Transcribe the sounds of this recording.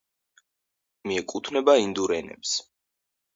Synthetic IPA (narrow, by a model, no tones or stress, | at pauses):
miɛkʼut̪ʰnɛbaind̪uɾɛnɛ̰ps